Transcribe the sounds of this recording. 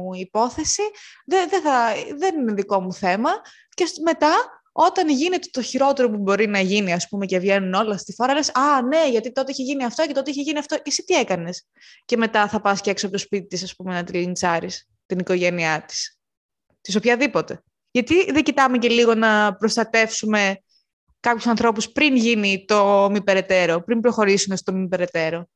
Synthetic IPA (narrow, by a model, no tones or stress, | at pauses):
ipo̞θe̞siðeðeθɐðenine̞ðiko̞muθe̞mɐ | cesme̞t̪ɐ | o̞t̪ɐnʝine̞t̪et̪o̞çiɾo̞t̪e̞ɾo̞pubo̞ɾinɐʝiniɐspume̞ce̞vʝe̞nuno̞lɐst̪ixoɾɐlesɐne̞ʝɐt̪it̪o̞t̪eiçeʝiniɐft̪o̞cet̪o̞t̪eiçeʝiniɐft̪oʔisit̪ie̞kɐne̞s | ce̞met̪ɐθɐpɐsceksoɐp̚t̪ospit̪it̪isɐspumenɐt̪ilint͡sɐɾis | t̪iniko̞ʝe̞niɐt̪i̥s | t̪is̬o̞pçɐðipot̪e̞ | ʝɐt̪iðeɟit̪ɐmece̞liɣo̞nɐpɾost̪ɐt̪e̞fsume̞ | kɐpçu̥sɐnθɾo̞puspɾinʝinit̪o̞mipe̞ɾe̞t̪e̞ɾo̞pɾimbɾo̞xo̞ɾisume̞st̪omipe̞ɾe̞t̪e̞ɾo̞